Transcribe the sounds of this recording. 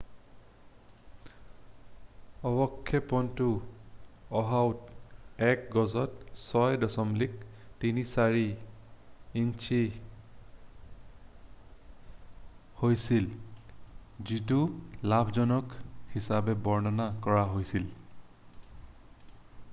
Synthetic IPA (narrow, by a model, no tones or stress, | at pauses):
ɔbɔkʰːɛpɔntʊ | ɔɦawtɛk̚ɡɔzɔtsɔjdɔsɔmlik̚tinisaɹiː | nt͡ʃʰi | hojsil | zitulabʰʱzɔnɔkhisabɛbɔɹnɔnakɔɹaɦojsil